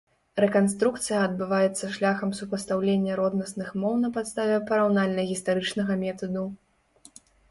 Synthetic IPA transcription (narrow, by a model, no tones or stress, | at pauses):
ɾɛkanst̪ɾukt̪sɨjɐɐd̪̚bɨvajɛt̪sːɐʂlʲaxɐmsupɐst̪awlʲenʲːɐɾɔd̪nɐsnɨxmɔwnɐpat̪st̪avʲɛpɐɾawnalʲnɐɣʲist̪aɾɨt͡ʂnɐɣɐmʲɛt̪ɐd̪u